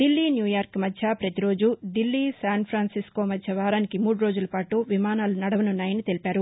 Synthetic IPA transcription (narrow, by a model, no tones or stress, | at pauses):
d̪ilːiːnjuːjaːɾkmɐdʃapɾɐt̪iɾo̞ːd͡ʒuɖilːisaːnpʰɾaːnsisko̞ːmɐdt͡ʃʰɐʋaːɾaːnikimuːɽuɾo̞ːd͡ʒulɐpaːʈuʋimaːnaːlunɐɽɐʋɐnunːaːjɐnit̪e̞lipaːɾu